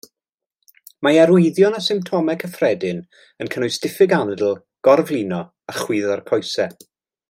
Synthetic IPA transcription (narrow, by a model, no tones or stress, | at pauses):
maɛɾʊɨðjɔnasɪmp̚tʰɔmɛkʰəfrɛdɪn | ənkʰənʊjstɪfɪɡanɛdl̩ˠ | ɡ̥ɔrvlˠiːnɔ | aχwiːðɔrkʰɔjsɛ